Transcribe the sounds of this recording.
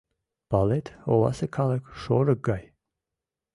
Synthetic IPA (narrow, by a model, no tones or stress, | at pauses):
b̥alɛt̪ʰɔ̰la̰səkʰaləkʃɔɾəɡaj